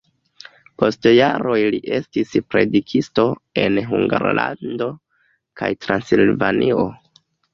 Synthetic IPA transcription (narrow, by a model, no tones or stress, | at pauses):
po̞stjaɾo̞jliʔe̞stispɾe̞dikʰisto̞e̞nɦuŋɡaɾlando̞ | kʰajtɾansilvanʔio̞